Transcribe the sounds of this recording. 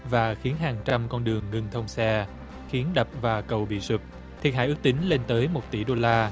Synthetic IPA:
vaː˨˩xi˨˦ənɦaː˨˩ŋt͡ɕa˧mkɔ˧nɗɨ˨˩əŋːɨ˧ŋt̪ʰə˧wŋ͡msɛ˧ | xi˨˦ənɗə˨˩p̚vaː˨˩kə˨˩wɓḭ˧˨zu˨˩p̚ | t̪ʰi˨˩t̚ha̰ː˧˨ʔɨ˦˥k̚t̪ï˨˦ŋ̟le˧nt̪əː˨˦jmo˨˩t̚t̪ḭ˧˩ɗo˧laː˧

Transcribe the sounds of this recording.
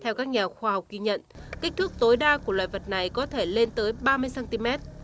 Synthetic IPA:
t̪ʰɛ˧wkaː˦˥k̚ɲaː˨˩xwaː˧˩ha˨˩wk͡p̚ki˧ɲə̰˧˨nka˦˥k̟̚t̪ʰɨ˦˥k̚t̪o˨˦jɗaː˧ku˧˩əlwa̰ː˧˨jvə˨˩t̚na˨˩jkɔ˨˦t̪ʰe˧˩le˧nt̪əː˨˦jɓaː˧mɨ˧əjsaː˧nt̪i˧mɛ˦˥t̚

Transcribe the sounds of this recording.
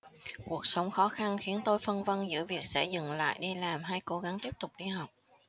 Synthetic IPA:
ku˨˩ək̚sə˨˦wŋ͡mxɔ˨˦xa˧nxi˨˦ənt̪o˧jfə˧nvə˧nzɨ̰˧˥əvi˨˩ək̚sɛ̰˧˥zɨ̰˨˩ŋla̰ː˧˨jɗi˧laː˨˩mɦaː˧jko˨˦ɣa˨˦ŋt̪i˦˥əp̚t̪ʊ˨˩k͡p̚ɗi˧ha˨˩wk͡p̚

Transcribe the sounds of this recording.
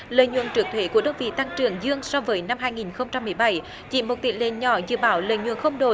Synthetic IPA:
lə̰ː˧˨jɲṵ˧˨ənt͡ɕɨ˨˩ək̚t̪ʰwe˨˦ku˧˩əɗə˧wŋ͡mvḭ˧˨t̪a˧ŋt͡ɕɨ˨˩əŋzɨ˧əŋsɔ˧vəː˨˦jna˧mɦaː˧jŋi˨˩nxə˧wŋ͡mt͡ɕa˧mːɨ˨˩əjɓa˧˩j | t͡ɕḭ˧˩mo˨˩t̚t̪ḭ˧˨nlḛ˧˨ɲɔ˧˩˦zɨ̰˧˨ɓaː˨˦wlə̰ː˧˨jɲwṵ˧˨ənxə˧wŋ͡mɗo˨˩

